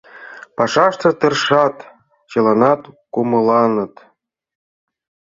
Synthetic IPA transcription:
pɑʂɑʃt̪ɤ̆t̪ɤ̆rʂɑt̪ | t͡ɕɤ̆lˠɑnɑt̪kumɤ̆lˠɑnɤ̆t̪

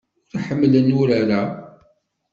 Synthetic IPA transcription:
ʊɾħəmːlənʊɾaɾa

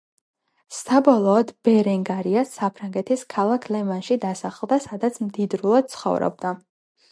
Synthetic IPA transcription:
sabɔlˠɔːd̪bɛɾɛŋɡaɾiasapʰɾaŋɡɛt̪ʰiskʰalˠakʰlɛmanʃid̪asaχlˠd̪asad̪at̪sʰmd̪id̪ɾulˠad̪̚t̪sʰχɔ̰vɾɔ̰b̚d̪a

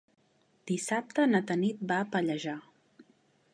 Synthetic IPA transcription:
d̪̥isap̚t̪ənət̪ənit̪̚bapəʎəʒa

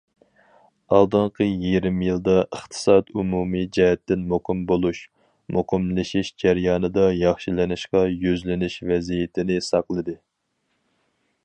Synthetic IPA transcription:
ɑlˠd̪ɨɴqʰəjiɾɪmjilˠd̪ɑʔəχt̪ʰɨ̥sɑd̪umumid͡ʒɛɦɛt̪ːɪnmoqɨmbolˠuʃ | moqɨmlɪʃiʃd͡ʒæɾjɑːnɨd̪ɑjɑχʃilɪnɪʃqɑjyzlɪnɪʃvɛzijɪt̪ʰɪnɪsɑqlˠɨd̪ɨ

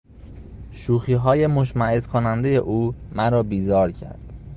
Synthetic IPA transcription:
ʃuːxiːɦɒːje̞moʃmæezkʰonænd̪ejḛʔuːmæɾɒːbiːzɒːɾcʰæ̰ɾd̪̥

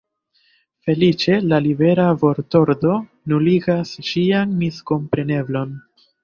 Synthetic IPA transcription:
fe̞lit͡ʃe̞lalibe̞ɾavo̞ɾto̞ɾdo̞ | nuliɡasʃianmisko̞mpɾe̞ne̞blo̞n

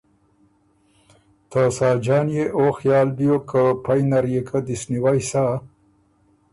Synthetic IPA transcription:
t̪ʰasɑːd͡ʒɑːnjeʔoxjɑːlbijokʰəpajnaɾjekʰad̪isniwajsa

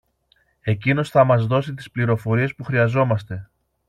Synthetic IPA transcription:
e̞cino̞sθɐmɐzðo̞sit̪̬i̥spliɾo̞fo̞ɾie̞spuxɾiɐzo̞mɐst̪e̞

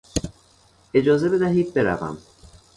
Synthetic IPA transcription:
e̞d͡ʒɒːze̞be̞d̪æɦiːd̪̚be̞ɾæ̰væ̰m

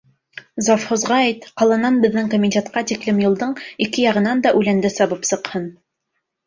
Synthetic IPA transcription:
zofhŏzʁɑæjt̪qɑlˠɑnɑnbɘ̆ðːɘŋkomʲɪnʲtʲet̪qɑt̪iklɘmjɤ̆lˠd̪ɤɴikɘjɑʁɤ̆nɑnd̪ɑʔʉlænd̪ɘsɑβɤpsɤ̆qhɤn

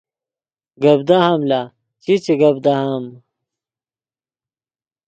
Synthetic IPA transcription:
ɡɐbd̪aɦɐmla | t͡ɕit͡ɕiɡɐbd̪aɦam

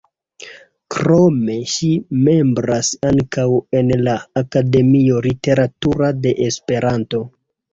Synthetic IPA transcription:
kɾo̞me̞ʃime̞mbɾasaŋkawe̞nlaːkade̞mio̞lite̞ɾatuɾade̞ʔespe̞ɾanto̞

